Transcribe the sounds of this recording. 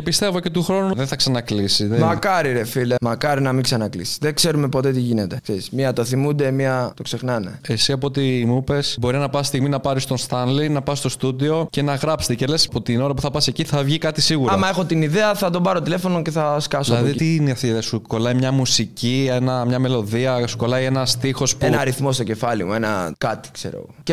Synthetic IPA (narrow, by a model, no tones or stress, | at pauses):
epist̪e̞vo̞ce̞t̪uxɾo̞nuðeθɐksɐnɐklisiðemɐkɐɾiɾefilemɐkɐɾinɐmiksɐnɐklisi̥ðekse̞ɾumepo̞t̪et̪iʝinet̪e̞kseismiɐt̪oθimund̪e̞miɐt̪o̞kse̞xnɐne̞̰esiɐpoot̪̬iːmupesbo̞ɾinɐpɐsst̪iɣminɐpɐɾist̪o̞st̪ɐnlinɐpɐsst̪o̞st̪ud̪io̞ce̞nɐɣɾɐpse̥t̪ece̞le̞sɐpo̞t̪ino̞ɾɐpuθɐpɐse̞ciθɐvʝikɐt̪isiɣuɾoɐmɐe̞xo̞t̪iniðeɐθɐt̪ombɐɾot̪ile̞fo̞noce̞θɐskɐsolɐðit̪iniɐft̪iðeɐsuko̞lɐimɲɐmusicienɐmɲɐme̞lo̞ðiɐsu̥ko̞lɐie̞nɐst̪ixo̞spuenɐɐɾiθmo̞s̬t̪o̞ce̞fɐlḭmue̞nɐ̰kɐt̪i̥ksḛɾoḛɣoce